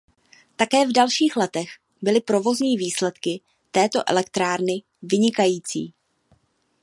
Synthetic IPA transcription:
t̪akɛːvdalʃiːxlɛt̪ɛx | bɪlɪpɾo̞vo̞zɲiːviːslɛt̪kɪ | t̪ɛːt̪o̞ʔɛ̰lɛkt̪ɾaːɾnɪ | vɪɲɪkajiːt͡sḭː

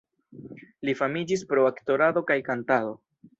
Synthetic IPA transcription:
lifamid͡ʒispɾo̞akto̞ɾado̞kajkantado̞

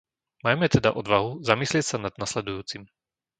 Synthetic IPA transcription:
majmɛt̪ɛd̪aʔɔd̪ʋaɦuzamislɪɛcsanad̪̚naslɛd̪ujuːt͡sim

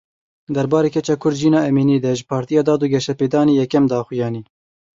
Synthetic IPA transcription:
d̪ɛɾbɑːɾeːkʰɛt͡ʃɛkʰʊɾd̪ʒiːnɑːɛmiːniːd̪ɛʒɪpʰɑːɾt̪ijɑːd̪ɑːd̪uːɡʲɛʃɛpeːd̪ɑːniːjɛkɛmd̪ɑːxʊjɑːniː

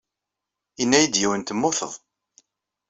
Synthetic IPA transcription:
inːæjəd̪jæwənt̪əmːʊθə̰ðˤ

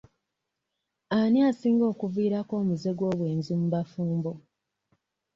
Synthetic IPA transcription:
aniasiːŋɡo̞ːkuviːɾako̞ːmuze̞ɡwo̞ːβwe̞ːnzumuβafuːmbo̞

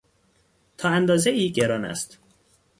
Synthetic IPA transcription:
t̪ʰɒːænd̪ɒːzeiːɟeɾɒːnæ̰st̪

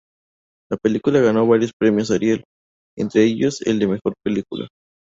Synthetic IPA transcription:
lape̞likulaɣano̞β̞aɾjo̞spɾe̞mjo̞s̬aɾjel | ḛnt̪ɾe̞eʝo̞sḛld̪e̞me̞xo̞ɾpe̞likulʔa̰

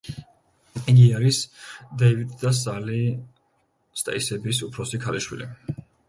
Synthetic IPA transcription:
iɡiaɾisd̪ɛjvit̪d̪asali | st̪ʼɛ̰isɛbisupʰɾɔsikʰaliʃwḭlḭ

